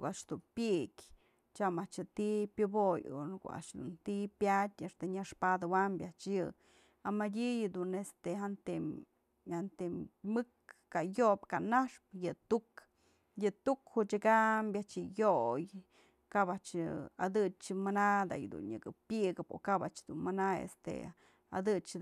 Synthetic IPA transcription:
kaʔʂd̪unpʲiʔkʲ | t͡ʃamaʔt͡ʃɨt̪ipʲjɨbojo̰nko̰a̰ʔʂd̪ṵnt̪ipʲjatʲeʂt̪eɲaʂpad̪ɨwambʲjaʔt͡ʃjɨ | amadʲijɨd̪unest̪eɦant̪e | hant̪emɨkːajopkanaʂp̚jɨt̪uk | jɨt̪ukhuʔt͡ʃaɡambjat͡ʃjɨjoj | kabaʔt͡ʃad̪ɨt͡ʃɨmanad̪a̰jd̪ṵnɲɨ̰kɨpʲɨʔɡɨpo̰kabaʔt͡ʃd̪unmanaḛst̪ḛ | a̰d̪ɨt͡ʃ

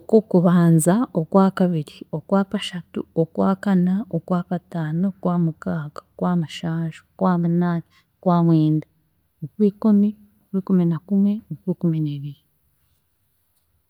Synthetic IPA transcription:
okokuβaːnzaokwaːkaβiɾio̞kwaːkaʃatṵokwaːkanaokwaːkataːnokwaːmukaːkḁkwaːmaʃaːʒo̥kwaːmunaːna | okwaːmweːnda | okuwiːkumi | okuikuminakumwe̞nokuɾikumineːβiɾi

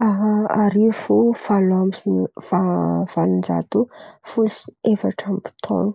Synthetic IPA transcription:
aɦaɾifufalambiziniv̥av̥alind͡ʒa̰t̪ufulsefaʈ͡ʂampi̥t̪ʰo̰nu̥

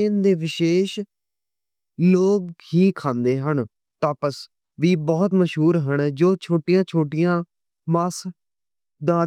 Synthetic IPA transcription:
eːnd̪eːʋɪʃeːʃ | loːkhiːkʰãːnd̪eːɦəɳ | t̪ãːpəs | ʋiːbɔːt̪məʃɦuːɾɦəɳd͡ʒoːt͡ʃʰoːʈɪjãːt͡ʃʰoːʈɪjãː | maːs | d̪ãː

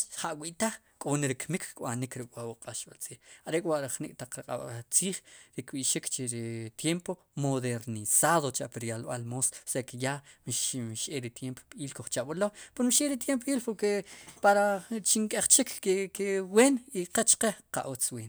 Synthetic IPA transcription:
χaʔwiʔt̪aχ | kʼoneɾikmikkʼɓanikɾikwawuqʼaʃɓalt͡siːχaɾeʔkʼwaʔɾaχnḭkʼt̪aq͡χɾqʼa̰ɓat͡siːχɾikɓiʔʃikt͡ʃeɾit̪jempo | moðeɾnisaːðot͡ʃaʔpiɾialɓalmoːssekijamʃmʃʔeɾit̪jempoɓiːlkoχt͡ʃaʔɓlopeɾmʃʔeɾit̪̬jemp̬ʔiːlpoɾkepaɾat͡ʃiŋkʼeχt͡ʃikʰekeweːniqet͡ʃqeqa̰ʔot͡sweːn

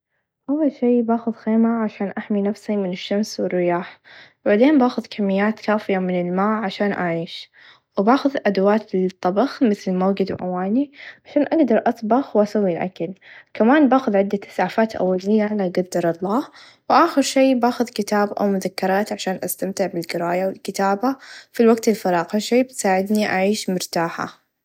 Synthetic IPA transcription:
ʔawːalʃiːbaːxʊðxeːmaʕaʃaːnʔaħminafsimɪnɪʃːamswɪrːɪjaːħ | baʕd̪eːnbaːxʊðkʰamːɪjːaːt̪kaːfɪjamɪnɪlmaːʕaʃaːnʔa̰ʕiːʃ | wbaːxʊðʔad̪awaːt̪lt̪ˤːɑbɑxmɪθlmaːɡɪd̪wʔa̰waːniʕaʃaːnʔaɡd̪ɑɾˤʔɑsˤbɑxwʔasawːilʔa̰kalkamaːnbaːxʊðʕɪd̪ːat̪ɪ̥saʕfaːt̪ʔa̰wːalɪjːalaɡad̪ːɑɾˤɑlˤːɑːh | wʔaːxɪɾʃeːbaːxʊðkɪt̪aːbʔa̰wmʊðakːɪɾˤɑːt̪ʕaʃaːnʔast̪amt̪ɪʕbɪlɡɪɾaːjawɪlkɪt̪aːbafilwaɡ̚t̪ɪlfɑɾˤɑːqhaʃeːbɪt̪saːʕɪd̪niʔaʕiːʃmʊɾt̪aːħa̰

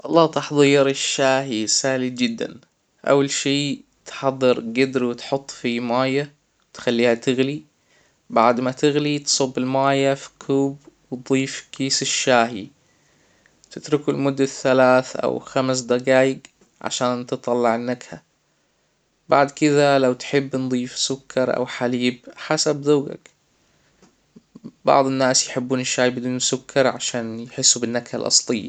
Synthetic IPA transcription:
ʔɑlˤːɑːt̪ɑħðˤiːɾɪʃːaːɦisaːlid͡ʒɪd̪ːa̰n | ʔa̰wːalʃiːt̪ħɑd̪ˤːɑɾɡɪd̪ɾwɪt̪ħʊt̪ˤːfimaːja | t̪xalːiːhat̪ɪɣli | baʕd̪mat̪ɪɣlit̪sˤʊbːɪlmaːjafi̥kʰuːbwt̪̚d̪ˤiːfkiːsɪʃːaːɦi | t̪ɪt̪ɾʊkɪlmʊd̪ːaθːalaːθʔa̰wxams̬d̪aɡaːjɪɡ | ʕa̰ʃaːnt̪ɨt̪ˤːɑlːɑʕɪnːakha | baʕd̪kɪðalawt̪ħɪbːnd̪ˤiːfsʊkʰːɑɾˤʔa̰wħaliːbħasabðuːɡa̰k | bɑ̰ʕd̪ˤɪnːaːsjħɪbːuːnɪʃːaːhibɪd̪uːnsʊkʰːɑɾˤʕa̰ʃaːnjħɪsːubɪnːakhalʔɑ̰sˤlɪjːa̰

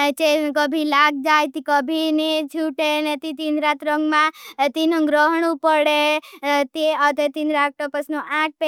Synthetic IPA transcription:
t͡ʃekəbʱilaɡ̚d͡ʒajt̪ikəbʱined͡ʒʰʱuʈenet̪it̪ind̪ɾat̪ɾəŋɡmãt̪inõɡɾəɦɳũpəɽet̪eət̪et̪inɾak̚ʈopəsnõʔãʈ̚pe

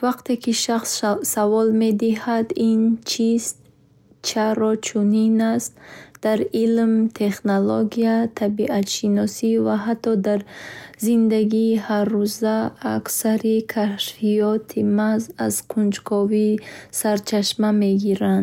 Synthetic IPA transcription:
vaqt̪e̞kʰiʃaχsːavɔlme̞d̪ihad̪int͡ʃʰiz | t͡ʃʰaɾɔt͡ʃʰuninast̪d̪̥aɾilmt̪ʰe̞χnoloɡiat̪ʰabiʔat̪ʃinɔsivaɦat̪ʰːɔd̪aɾzind̪aɡiːharːuzaːksaɾikʰaʃfijɔt̪ʰimaza̰zqʰund͡ʒkʰɔvisaɾt͡ʃʰaʃmame̞ɡiɾand̪

